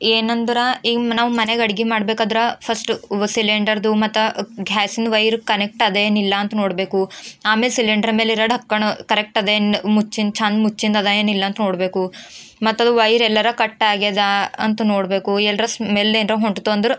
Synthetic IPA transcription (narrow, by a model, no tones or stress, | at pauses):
eːnɐnd̪ɐɾaiːɡɐnaːʋumɐneɡɐɽiɡimaːɽbeːkaːd̪ɾɐpʰɐsʈsileɳɖɐɾd̪umɐt̪ːɐɡʱaːsind̪ʋɐjɾkɐnek̚ʈɐd̪eeːnilːɐɐnt̪ɐno̞ːɽbe̞ːkuaːmeːlsiliɳɖɐɾmeːliɾɐɖʱɐkːɐɳukɐɾek̚ʈɐd̪enmut͡ʃːind̪t͡ʃʰaːnd̪mut͡ʃːind̪ɐd̪ɐeːnilːɐːnt̪ɐno̞ːɽbe̞ːku | mɐt̪ːɐd̪uʋɐjɾɛlːɐɾɐkɐʈːaːɡɛd̪aɐnt̪unoːɽbe̞ːkuɛlːɐɾɐsmeːleːnɾɐɦoɳʈt̪ːuɐnd̪ɐɾu